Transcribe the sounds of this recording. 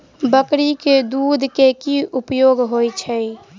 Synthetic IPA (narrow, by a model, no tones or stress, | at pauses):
bəkɾiked̪uːd̪ʱkekiupjoɡɦojt͡ʃʰəj